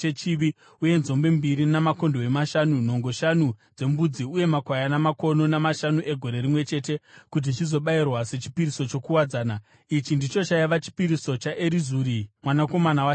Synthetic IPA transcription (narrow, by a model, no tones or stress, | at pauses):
et͡ʃiʋi | uje̞nzo̞mbe̞mbiɾinamako̞ndoe̞maʃanuno̞ŋɡo̞ʃanud͡ze̞mbud͡ziuje̞makwajanamako̞no̞namaʃanuʔe̞ɡʱo̞ɾe̞ɾimwe̞t͡ʃe̞te̞kut̬it͡ʃizo̞ɓairwase̞t͡ʃi̥piɾiso̞t͡ʃo̞kuwad͡zaːna | it͡ʃindit͡ʃo̞t͡ʃajiʋat͡ʃi̥piɾiso̞t͡ʃaʔeɾizuːɾimwanako̞manawa